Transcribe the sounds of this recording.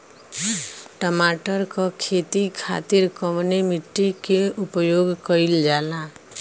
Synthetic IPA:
ʈəmaːʈəɾkakʰeːt̪ikʰa̰ːt̪ɪɾkəmnemɪʈːikeʊpjoːɡkəɪld͡ʒaːla

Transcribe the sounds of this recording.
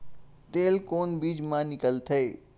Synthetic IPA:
t̪eːlkoːnbiːd͡ʒmãːnɪkəlt̪ʰɐe

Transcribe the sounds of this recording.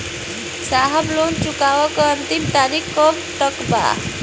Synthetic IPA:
saɦablunt͡ʃukawɔkənt̪imt̪anikːɔmʈəkba̰

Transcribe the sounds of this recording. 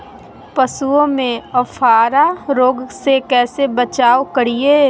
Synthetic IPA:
pəsuõmẽɐfʰaːɾaɾoːɡsekɛːsebət͡ʃaːokəɾieː

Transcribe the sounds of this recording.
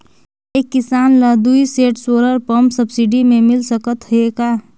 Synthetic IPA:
eːkːɪsaːnləd̪uiseːʈsoːɾəɾpəmsəbsɪɖimẽmɪlsəkət̪ɦʊeɡaː

